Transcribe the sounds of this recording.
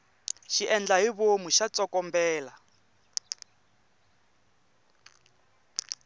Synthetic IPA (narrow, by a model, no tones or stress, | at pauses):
ʃiʔɛnd͡ɮaɦiβomuʃat͡sʼɔkɔmbɛːla